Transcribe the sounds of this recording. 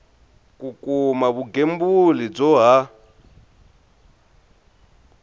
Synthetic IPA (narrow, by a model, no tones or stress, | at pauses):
kʼukʼumaβuɡembulid͡zɔɦa